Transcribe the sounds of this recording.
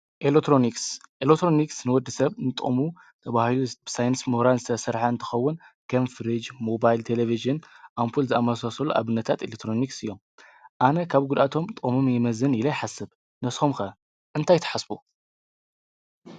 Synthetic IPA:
ʔelekt̪ɾoniksʔelekt̪ɾoniksnɨwɔd̪ːɨsɐβnɨt̪ʼo̰mu | t̪ʰɐβahilub̥ɨsajɨnsmɨhɾanzɨt̪ʰɐsɐɾħaɨnt̪ʰɐ̥xɐwːʊnkʰɐnfɾid͡ʒmo̞bajlt̪ʰeleviʒɨnʔampʰulzɨamɐsasɐluʔa̰βɨnːɐt̪ʰat̪elek̚t̪ɾo̞niksɨjːo̞m | ʔanɐkʰaβɡud̪ʔat̪ʰo̞mt̪ʼomomjɪmɐzɨnjɪlɐjħasɨβ | nɐsxomkɐ | ʔɨnt̪ʰajt̪ʰɐ̥ħasbo

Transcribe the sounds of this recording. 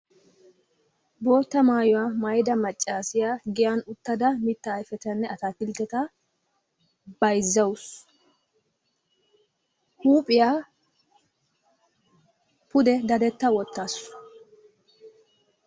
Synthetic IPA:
bo̞ːt̪ːɐmaːjɔwaːmɐjd̪ɐmɐt͡ʃʼːaːsɪjaːɡɪjaːnʊt̪ːɐd̪ɐmɪt̪ːɐːjfɛt̪ɐnːɛɐt̪aːt̪ɪld̪ɛt̪ɐ | b̥ɐjzːɐwʊs | huːpʼɪjaː | pʊd̪ɛd̪ɐd̪ɛt̪ːɐwɔt̪ːaːs

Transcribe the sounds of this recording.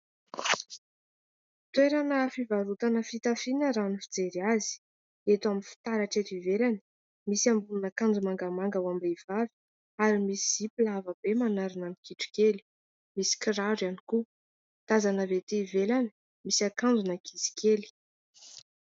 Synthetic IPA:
t̪weɾanəfivaɾut̪anəfit̪afinəɾanifid͡zeɾiazi̥ | et̪uaminfi̥t̪aɾaʈ͡ʂet̪ivelanə̥ | misiambununakand͡zumaŋɡamaŋɡawambevavi̥ | aɾimisiipilavəb̥emanaɾinanikiʈ͡ʂu̥keli̥ | misi̥kiɾaɖ͡ʐaniku | t̪azanəvet̪evelanə̥ | misakand͡zunəkʰizi̥kʰeli̥

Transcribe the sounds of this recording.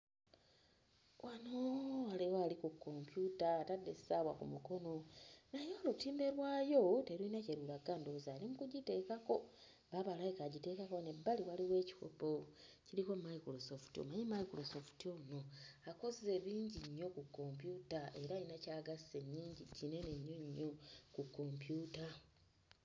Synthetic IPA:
wʔanoaliwalikukːo̞mpjutaːtadːe̞ssaβwakumuko̞no̞najo̞ːlutiːmbe̞ɾwaːjo̞te̞ɾinaceɾulaɡaːndouzaːlimukuɟite̞ːkako̞ | βaβalajikaɟite̞ːkako̞ne̞bːaliwaliwe̞ːci̥xo̰pociɾiko̞maikɾosoftio̰majimaikɾosoftio̞no̞ako̞zze̞βiːɲɟiɲːo̞kukːo̞mpjutaʔe̞ɾainacaːɡase̞ɲːiːɲɟicine̞ne̞ɲːo̞ɲːo̞kukːo̞mpjuːta

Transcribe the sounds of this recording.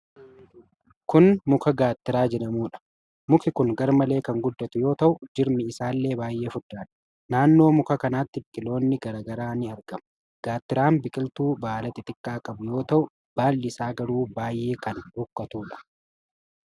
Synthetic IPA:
kʊnmʊkɐɡaːt̪ːɪɾaːd͡ʒɛᶑɐmuːᶑɐ̥ | mʊkɪkʊŋɡɐɾmɐle̞ːkɐŋɡʊd̪ːɐt̪ʊjoːt̪ɐʔʊd͡ʒɪɾmɪɪsaːlːe̞ːbaːjʔe̞ːfʊd̪ːaːᶑɐ̥ | naːnːo̞ːmʊkɐkɐnaːt̪ːɪbɪkʼɪlo̞ːnːɪɡɐɾaːɡɐɾaːnɪɐɾɡɐmʊ̥ | ɡ̥aːt̪ːɪɾaːmbɪkʼɪlt̪uːbaːlɐt̪ɛt̪ɪkʼːaːkʼɐbʊjo̞ːt̪ɐʔʊ | b̥aːlːɪɪsaːɡɐɾuːbaːjʔe̞ːkɐnhʊkːɐt̪uːᶑɐ̥

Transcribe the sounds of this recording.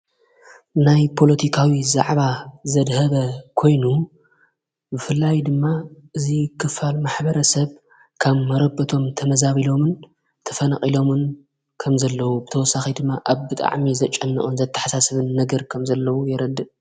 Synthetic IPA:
najpʰo̞lɐt̪ʰikʰawiza̰ʕβazɐd̪hɐβɐkʰo̞jnu | bɨfɨlːajd̪ɨmːaʔɨzikʰɨfalmaħbɐɾɐsɐβ | kʰaβmɐɾɐbɐt̪ʰo̞mt̪ʰɐmɐzaβilo̞mɨn | t̪ʰɐ̥fɐnaχʼilo̞mɨn | kʰɐmzɐlːɐwubɨt̪ʰɐwɔsːaxid̪ɨmːaʔaβbɨt̪ʼa̰ʕmizɐt͡ʃʼɐnːɐ̰ʔʼunzɐt̪ʰːɐ̥ħasasɨβɨnːɐɡɐɾkʰɐmzɐlːɐwujɪɾɐd̪ːɨʔ

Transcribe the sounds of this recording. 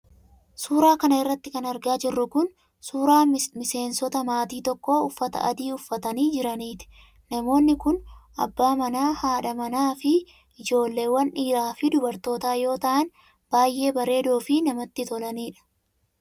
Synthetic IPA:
suːɾaːkɐnɐɪrːɐt̪ːɪkɐnɐɾɡaːd͡ʒɪrːʊkʊn | suːɾaːmɪse̞ːnsɔt̪ɐmaːt̪iːt̪ɔkːoːʊfːɐt̪ɐ̰ʔɐ̰d̪iːʊfːɐt̪ɐniːd͡ʒɪɾɐniːt̪ɪ̥ | nɐmo̞ːnːɪkʊnʔɐ̰bːaːmɐnaːhaːᶑɐmɐnaːfɪ | ɪd͡ʒo̞ːlːe̞ːwːɐnʔiːɾaːfɪd̪ʊbɐɾt̪o̞ːt̪aːjo̞ːt̪ɐʔɐn | b̥aːjʔːe̞ːbɐɾe̞ːd̪oːfɪnɐmɐt̪ːɪt̪ɔlɐniːᶑɐ̥

